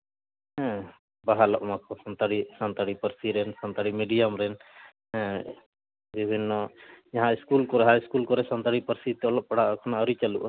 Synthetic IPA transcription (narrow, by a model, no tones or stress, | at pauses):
ɦɛ̃ | baɦalɔʔmakʰɔsɔnt̪aɽisant̪aɽipəɾsiɾɛnsant̪aɽimiɖijamɾɛñ | bibʱinːɔd͡ʒaɦãiskulkɔɾɦaiskulkɔɾɛsɔnt̪aɽipəɾsit̪ɛɔlɔp̚paɽ̤aʔkʰɔnaɔɾit͡ʃaluʔ